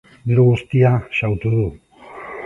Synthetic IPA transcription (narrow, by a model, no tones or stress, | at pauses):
biɾuɣust̪iaʃawt̪uðu